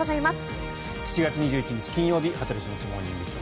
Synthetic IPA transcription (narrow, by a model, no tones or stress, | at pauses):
zaimasɨ̥ | çi̥t͡ɕiɡat͡sɨɲ̟iʑɨːit͡ɕiɲ̟it͡ɕi̥kʲĩɰ̃jo̞ːbʲihat̪aɾiɕinit͡ɕimo̞ːɲʲĩnd̪esɨ̰